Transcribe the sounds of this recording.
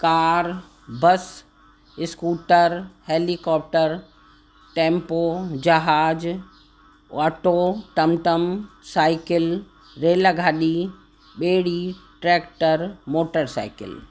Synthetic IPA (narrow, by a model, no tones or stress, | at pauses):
kaːɾ | bɐs | ɪskuːʈəɾheːlikɔːp̚ʈəɾ | ʈẽːmpoːd͡ʒɐɦaːd͡ʒ | ɔːʈoːt̪ɐmʈ̪əmsaːɪkɪl | ɾeːlaɡʱaːɗi | ɓeːɽiʈɾɛːkʈəɾmoːʈəɾsa̰ːɪkɪ̰l